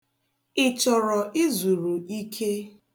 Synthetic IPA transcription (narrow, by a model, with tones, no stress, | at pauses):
ɪ˨t͡ʃɔ˨ɾɔ˨ʔi˦zu˨ɾu˨i˦kʰe˦